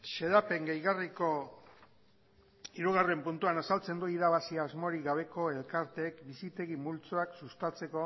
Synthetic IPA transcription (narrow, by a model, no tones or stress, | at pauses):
se̞ðape̞ŋɡejɣariko̞ | iɾuɣare̞mpunt̪uanasalt͡se̞nd̪uiðaβasiaːzmo̞ɾiɣaβ̞e̞ko̞e̞lkaɾt̪e̞ːkbisit̪e̞ɣimult͡soaksust̪at͡se̞ko̞